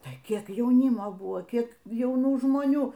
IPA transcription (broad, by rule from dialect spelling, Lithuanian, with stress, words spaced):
tɐɪ ˈkʲiɛk jɛʊˈnʲɪmoː ˈbʊʋoː ˈkʲiɛk jɛʊˈnuː ʒmoːˈnʲuː